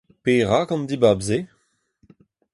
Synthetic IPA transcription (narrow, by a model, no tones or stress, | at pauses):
peːʁakɑ̃nd̪ibabze